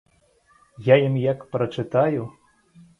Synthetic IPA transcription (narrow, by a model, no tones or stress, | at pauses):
jajimjakpɾɐt͡ʂɨt̪aju